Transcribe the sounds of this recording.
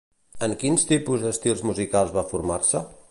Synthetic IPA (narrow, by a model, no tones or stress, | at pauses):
əŋkinst̪ipuzd̪əst̪ilˠzmuzikalˠzβafuɾmarsə